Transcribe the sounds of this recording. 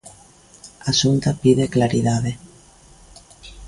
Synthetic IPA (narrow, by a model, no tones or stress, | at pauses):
asunt̪apiðeklaɾiðaðe